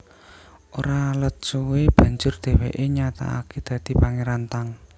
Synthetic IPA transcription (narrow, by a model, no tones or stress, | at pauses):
ʔoɾalət̪t͡ʃuweb̥ä̤ɲd͡ʒʊrd̪̥e̤wḛʔeɲat̪a̰a̰ked̪̥ä̤d̪̥i̤paŋeɾant̪aŋ